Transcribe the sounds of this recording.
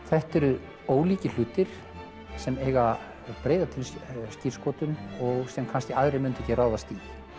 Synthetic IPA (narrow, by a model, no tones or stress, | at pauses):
θɛht̪ɛɾʏ | oːwliːcɪl̥ʏːt̪ɪɾ̥ | sɛmeːjɣa | pɾeːjðat̪ʰɪlscir̥skoːwt̪ʏmɔɣsɛmkʰanscɪaðɾɪmʏnt̪ɛcɪraːwðast̪i